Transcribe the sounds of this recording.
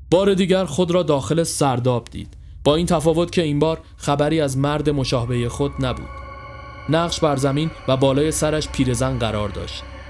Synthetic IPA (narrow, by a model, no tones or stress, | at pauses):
b̥ɒːɾe̞d̪iːɟæɾxo̞d̪ɾɒːd̪ɒːxe̞lesæɾd̪ɒːbd̪̥ḭːd̪̥ | b̥ɒːiːnt̪ʰæfɒːvo̞t̪cʰe̞iːmbɒːɾ | xæbæɾiːæzmæɾd̪e̞mo̞ʃɒːɦebejexo̞d̪næbṵːd̪̥ | næʁʃbæɾzæmiːnvæbɒːlɒːje̞sæɾæʃpʰiːɾe̞zænɢæɾɒːɾd̪ɒ̰ːʃt̪